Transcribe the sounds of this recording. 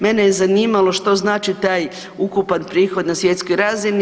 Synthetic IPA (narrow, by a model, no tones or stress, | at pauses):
menejezaniːmalˠo̞ʃt̪o̞znaːt͡ʃit̪aːj | ukupanpɾiːxo̞d̪nasje̞t̪sko̞jɾaːzini